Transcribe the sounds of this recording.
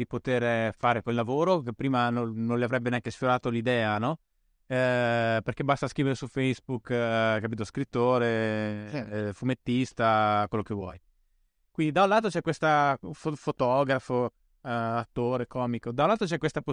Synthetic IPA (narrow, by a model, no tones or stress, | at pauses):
d̪ipot̪eɾfaːɾekwelːavoːɾokepːɾiːmanonõnleavɾɛbːeneaŋkesfjoɾaːt̪olid̪ɛːanɔ | perkebast̪askɾiveɾesufejzbukkapiːt̪oskɾit̪ːoːɾe | fumet̪ːist̪akwelːokevwɔ̰j | kwind̪id̪aw̃laːt̪ot͡ʃɛkːwest̪afofot̪ɔːɡɾafo | at̪ːoːɾekɔːmikod̪aw̃laːt̪ot͡ʃɛkːwest̪apo